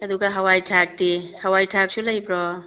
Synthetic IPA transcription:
ɐduɡaɦawajtʰak̚dihawajtʰak̚sulajbɾɔ

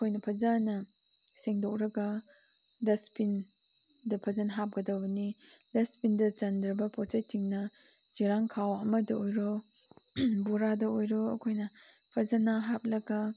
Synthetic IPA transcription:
ɐkʰojnɐpʰɐzanːɐ | seŋdok̚ɾɐɡa | dɐspindɐpʰɐzanɦap̚ɡɐdɐwbɐnidɐspindɐt͡ʃɐndɾɐbɐpɔt͡ʃɐjtiŋnɐziɾaŋkʰawɐmɐdɐojɾɔ | buɾadɐojɾɔɐ̰kʰojnɐ | pʰɐzanaɦap̚lɐɡa

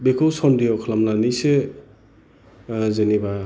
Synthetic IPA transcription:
bekʰowsɔndijɔkʰlamlanijse | zeniba

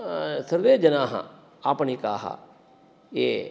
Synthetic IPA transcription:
səɾʋeːd͡ʒənaːɦã̰ | aːpnikaːɦa̰ | ḛː

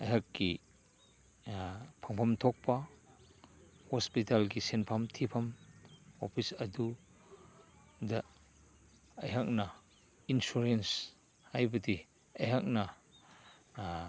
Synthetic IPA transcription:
ɐjɦakːi | pʰaŋpʰɐmtʰɔk̚pa | hɔspitalkisenpʰɐmtʰipʰɐm | ɔpʰisɐdu | d̪ɐ | ɐjɦɐk̚na | insuɾens | ajbɐti | ɐjɦak̚na

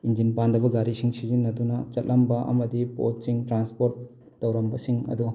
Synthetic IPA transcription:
ind͡ʒinpandɐbɐɡaɾisiŋsizinːɐdunɐt͡ʃɐt̚lɐmbɐʔɐ̰mɐdipo̰t̚siŋtɾanspoɾtː | ɐwɾɐmbɐsiŋɐ̰du

